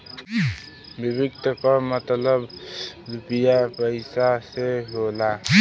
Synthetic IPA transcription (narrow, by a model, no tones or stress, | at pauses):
bɪbɪkt̪ʰəkɔmət̪ləbɾupijapəɪsaseɦola